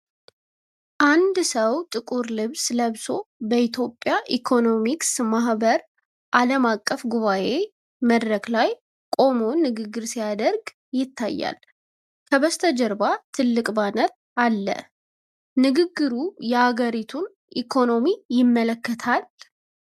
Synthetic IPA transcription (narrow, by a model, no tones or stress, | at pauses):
ʔand̪səwt̪ʼɨkʼuɾlɨβsləβso̞bəit̪ʰjo̞pʼːjaʔikʰo̞no̞miksmahbəɾ | ʔaləmakʼːəfɡuβaʔe̞ | məd̪ɾəɡlaj | kʼo̞mo̞nɨɡɨɡːɨɾsijad̪əɾɡ | jɪt̪ːajːa̰l | kʰəβəst̪ʰəd͡ʒəɾbat̪ʰɨlːɨkʼbanət̪̚ | alːə̰ | nɨɡɨɡːɨɾujɛhaɡəɾit̪ʰun | ʔikʰo̞no̞mijɪmːələkːət̪ʰal